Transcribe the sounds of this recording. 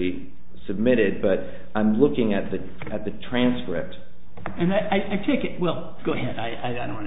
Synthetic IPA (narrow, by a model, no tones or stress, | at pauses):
i | sɨb̚mɪɾɪd̚bʌɾ | ãɪ̃mlʊkɪ̃ŋɨt̪̚ðɨ | ɨt̪̚ðɨtʰɹ̥æ̃nskɹɪ̰p̚t̚ | ɨ̃naɪʔaɪʔaɪtʰɛɪ̃kɨt̚wɛlˠ | ɡ̥oʊɨɦɛdaɪa̰ɪadõw̃n